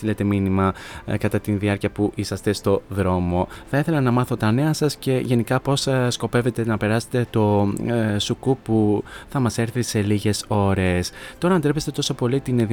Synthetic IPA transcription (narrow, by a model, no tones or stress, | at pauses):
ilet̪e̞minimɐkɐt̪ɐt̪inðiɐɾciɐpuʔisɐst̪est̪o̞ðɾo̞mo̞θɐiθe̞lɐnɐmɐθo̞t̪ɐne̞ɐsɐsce̞ʝe̞nikɐpo̞ssko̞pe̞ve̞t̪e̞nɐpe̞ɾɐse̥t̪e̞t̪o̞ | sukupuθɐmɐseɾθise̞liʝe̞so̞ɾe̞st̪o̞ɾɐnd̪ɾe̞pest̪e̞t̪o̞so̞po̞lit̪ineði